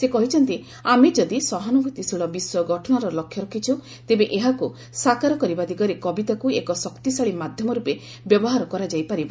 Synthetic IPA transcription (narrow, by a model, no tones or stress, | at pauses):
sekɔɦit͡ʃʰɔnt̪i | amed͡ʒɔd̪isɔɦanubʱut̪isiɭɔbiswɔɡʱɔʈʰɔnaɾɔlɔkʰjɔɾɔkʰit͡ʃʰu | t̪ebeʔeɦaku | sakaɾɔkɔɾibad̪iɡɔɾekɔbit̪akuekɔsɔkt̪isaɭimad̪ʱjɔmɔɾupe | bjɔbɔɦaɾɔkɔɾad͡ʒajpaɾibɔ